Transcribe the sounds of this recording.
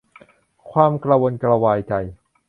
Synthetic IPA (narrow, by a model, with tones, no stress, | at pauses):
kʰwaː˧mkla˧wo˧nkɾa˧waː˧jt͡ɕa˧j